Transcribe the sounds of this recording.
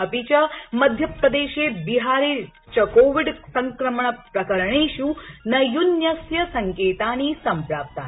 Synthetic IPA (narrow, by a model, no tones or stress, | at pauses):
ɐpit͡ʃɐmɐd̪ʱjɐpɾɐd̪eːʃeːbiɦaːɾeː | t͡ʃɐkoːʋiɖsɐŋkɾɐmɐɳɐpɾɐkɐɾɐɳeːʃunɐjunjɐsjɐsɐŋkeːt̪aːniːsɐmpɾaːp̚t̪a